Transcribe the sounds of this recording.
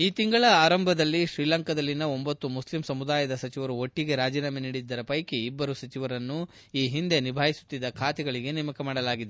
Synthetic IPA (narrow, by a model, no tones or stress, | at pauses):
iːt̪iŋɡɐɭɐaːɾɐmbʱɐd̪ɐlːiʃɾiːlɐŋkɐd̪ɐlːinːɐo̞mbɐt̪ːumuslimsɐmud̪aːjɐd̪ɐsɐt͡ʃiʋɐɾuo̞ʈːiɡe̞ɾaːd͡ʒiːnameniːɽid̪ːɐɾɐpɐjkeibːɐɾusɐt͡ʃiʋɐɾɐnːu | iːɦind̪e̞nibʱaːjisu̥t̪ːid̪ːɐkʰaːt̪ɛɡɐɭiɡe̞nɛmɐkɐmaːɽɐlaːɡid̪e